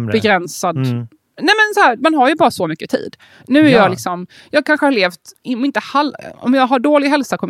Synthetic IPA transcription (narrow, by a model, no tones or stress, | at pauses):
bɛɡɾɛnsad̪ | nɛːmɛnsɔhæːɾmanɦaɾjɵbɑːɾasɔmʏkːət̪ʰḭːd̪ | nʉ̟ːæɾjɑːɡlɪksɔm | jɑːɡ̚kʰanɧəhaɭeːft̪ɔmɪnt̪əhalɔ̰mjɑːɡɦaɖoːlɪɡɦɛlsakʰɔm